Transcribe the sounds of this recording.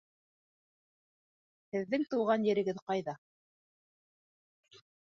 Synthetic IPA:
hɘ̆ðːɘŋt̪uwʁɑnjɘ̆ɾɘ̆ɡɘðqɑjðɑ

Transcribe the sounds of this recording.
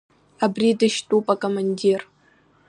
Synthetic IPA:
abridɨʃtʼupʼakʼomanʲdʲer

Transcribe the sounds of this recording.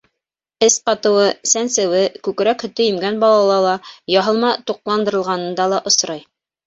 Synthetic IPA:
ɘspɑt̪ɤ̆wɤsænsɘ̆wɘkʉkɾækhɵ̆t̪ɘjɘ̆mɡænbɑlˠɑlˠɑlˠɑjɑɦɤ̆lˠmɑt̪uq̚lˠɑnd̪ɤ̆ɾɤ̆lˠʁɑnɤ̆nd̪ɑlˠɑʔŏsɾɑj

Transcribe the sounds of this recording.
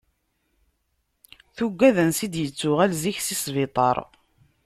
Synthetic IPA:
θʊɡʷːæðənsid̪jət͡sːʊʁælziçsisvit̪ˤɑ̰ɾˤ

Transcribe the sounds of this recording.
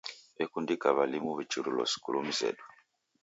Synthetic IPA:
ɛkundikaβalimuβit͡ʃuɾulɔ̰si̥kṵlum̩zɛ̰du

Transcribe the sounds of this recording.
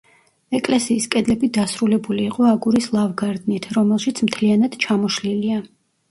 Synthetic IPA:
ɛkʼlɛsiːskʼɛd̪lɛbid̪asɾulɛbuliːqʼɔaɡuɾislˠavɡaɾd̪nit̪ʰɾɔmɛlˠʃit̪sʰmt̪ʰlianad̪̥t͡ʃʰamɔʃlilia

